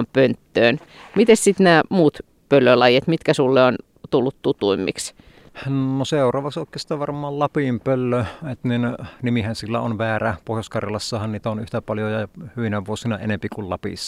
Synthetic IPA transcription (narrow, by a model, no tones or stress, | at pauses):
mpønt̪ːøːnmit̪essit̪næːmuːt̪ | pølːølɑjet̪mit̪kæsulːeon | t̪ulːut̪t̪ut̪uimːḭks | noseˑurˑɑːʋɑksoˑekːˑest̪ːæʋʋɑrmˑɑːllɑpimpølːøet̪ninnimihænsilːæ̰onʋæːɾæpohjoskɑrjɑlɑsːɑhɑnniːt̪æonyht̪æpɑljojɑhyʋinæʋuosinɑenempikullɑpḭsːɑ̥